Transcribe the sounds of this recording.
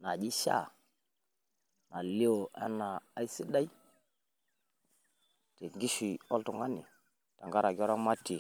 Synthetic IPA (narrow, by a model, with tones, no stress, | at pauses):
na˨d͡ʒi˦ʃa̰˦˨ | na˨li˦o˨a̰˦na˨a˦i˦si˦ɗa˦i˦ | te˨ŋɡi˦ʃi˨o˦ltu˨ŋɡa˦nḭ˨ | ta˨ŋɡa˦ɾa˨ɡo˦ɾo˦ma˦tːi˨